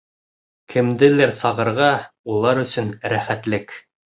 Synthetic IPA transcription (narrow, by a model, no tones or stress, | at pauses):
kʰɘ̆md̪ɘlæɾsɑʁɤ̆ɾʁɑulˠɑɾɵ̆sɵnɾæχæt̪lɘk